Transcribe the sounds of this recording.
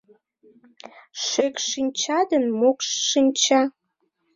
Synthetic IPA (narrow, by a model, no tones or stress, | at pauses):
ʃøkʃinʲt͡ɕɑd̪ənmokʃːinʲt͡ɕɑ